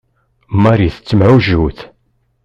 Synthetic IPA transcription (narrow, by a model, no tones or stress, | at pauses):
maɾiθət͡sːəmʕuʒuθ